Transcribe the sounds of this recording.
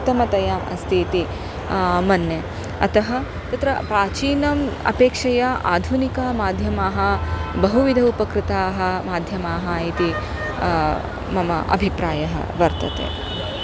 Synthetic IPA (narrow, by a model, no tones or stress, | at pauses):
t̪ːɐmɐt̪ɐjaːmɐ̰st̪ʰiːt̪i | mɐnjɐ | ɐt̪ɐɦɐ | t̪ɐt̪ɾɐpɾaːt͡ʃiːnɐmɐ̰peːkʂɐjɐʔa̰ːd̪ʱunikɐmaːd̪ʱjɐmaːɦɐbɐɦuʋid̪ʱɐupɐkɾɪt̪aːɦɐ̆maːd̪ʱjɐmaːɦɐit̪i | mɐmɐʔɐ̰bʱipɾaːjɐɦɐ̰ʋɐɾt̪ɐt̪ḛː